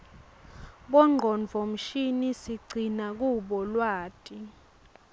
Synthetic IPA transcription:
ɓɔŋ͡ǃʱɔnvʱom̩ʃinisiɡ͡ǀʱinak̬uɓɔlwaːtʼi

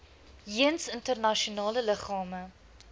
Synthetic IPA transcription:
jiənsəntərnɐʃionɑːlələχɑːmə

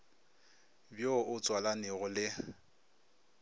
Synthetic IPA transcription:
bjoʔʊt͡sʼwalanɪɣʊlɪ

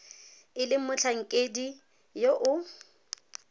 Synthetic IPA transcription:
ɪlɪmʊt͡ɬʰaŋ̩kʼedi | joʔʊ

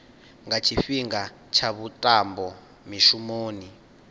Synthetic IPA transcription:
ŋɡat͡ʃʰifiŋɡa | t͡ʃʰaβutʼambɔ | miʃumoːni

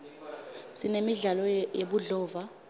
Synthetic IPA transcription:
sinemiɮalɔjeɓuɮɔːva

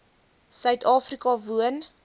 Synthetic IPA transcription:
sœɥtʰɑːfrikɑvuən

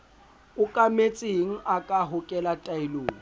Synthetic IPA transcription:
ʊkʼamet͡sʼeŋ̩ʔakʼaɦʊkʼɛlatʼaɪloːŋ̩

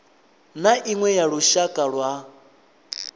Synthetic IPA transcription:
naʔiŋwɛjaɺuʃakʼaɺwa

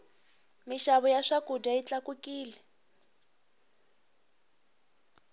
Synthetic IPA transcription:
miʃaβɔjaʂakudait͡ɬakukiːlɛ

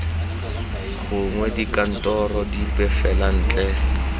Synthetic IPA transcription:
ɣʊŋwɛdikʼan̩tʼɔrɔdipʼɛfɛlan̩ːt͡ɬʼɛ

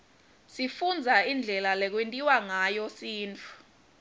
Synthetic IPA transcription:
sifund͡zʱaind͡ɮʱɛlalɛk̬wentʼiwaŋajɔsiːntʰʼu̥

